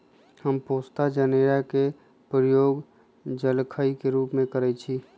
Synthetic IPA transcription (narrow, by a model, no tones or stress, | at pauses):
həmpoːst̪ad͡ʒəneɾake | pɾəjoːɡ | d͡ʒəlkʰəikeɾuːpmẽkəɾɛt͡ʃʰi